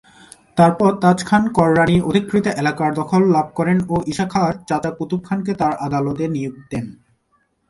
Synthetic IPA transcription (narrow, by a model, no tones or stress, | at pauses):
t̪aɾpɔɾt̪at͡ɕkʰankɔɾːaniʔod̪ʱikːɾit̪oʔelakaɾd̪ɔkʰolːab̚ʱkɔɾenoʔiʃakʰaɾt͡ɕat͡ɕaput̪up̚kʰanket̪aɾʔad̪alot̪enijok̚d̪en